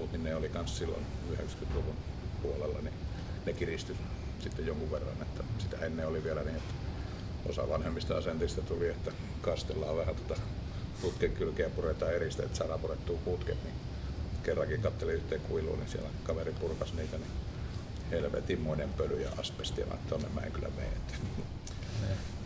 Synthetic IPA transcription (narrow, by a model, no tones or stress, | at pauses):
ult̪ninneːolikɑnssilːo̰nyhḛkskyt̪luʋunpuolelːɑ̰ni | nekirist̪y | sit̪ːejjoŋkuʋʋerːɑ̰net̪ːæsit̪æ̰enːeoliʋielæniːet̪ːæ̥ | o̰sɑ̰ʋɑnhemːist̪ɑɑsent̪ist̪æt̪uliet̪ːæ | kɑst̪elːˑɑːʋʋæhæt̪ot̪ɑ | put̪keŋkylkeæpuret̪ɑːerist̪ḛet̪sɑrɑporet̪ːuːkut̪kḛt̪ni | kerːɑkikɑt̪ːeliyht̪eːkuilṵːnḭsiæ̰lækɑʋeripurkɑsniːt̪æni | helʋḛt̪immoinempølyjɑ̰ɑ̰spest̪ilɑ̰net̪ːonːḛmmæ̰ˑḛŋkylæ̰mḛiḛt̪ːæ̥ | ne